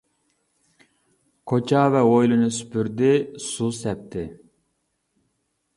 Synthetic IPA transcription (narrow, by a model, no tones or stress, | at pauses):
kʰot͡ʃʰɑvɛojlˠunɨsy̥pʰyɾd̪ɪsusɛp̚t̪ʰɪ